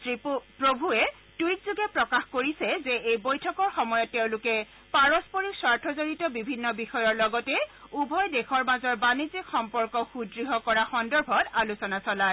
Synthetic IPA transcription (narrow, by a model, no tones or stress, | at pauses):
tippɹobʱuɛ | tujt̚zuɡɛpɹɔkaxkoɹisɛzeejbojtʰɔkɔɹxɔmɔjɔtːeʊ̃lʊkɛ | paɹɔspoɹikswaɹtʰɔzoɹitɔbibʱinːɔbixɔjɔɹlɔɡɔtɛubʱɔjdexɔɹmazɔɹbanizikxɔmpɔɹkɔxudɹiɦɔkɔɹaxɔndɔɹbʱɔtalusɔnasɔla